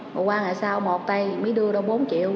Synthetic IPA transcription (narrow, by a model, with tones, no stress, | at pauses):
mɔː˨˩kwaː˧ŋa̰ː˧˨jsaː˧wmo˨˩t̚t̪ə˧jməː˨˦jɗɨ˧əɗɔ˧ɓo˨˦nt͡ɕḭ˧˨əw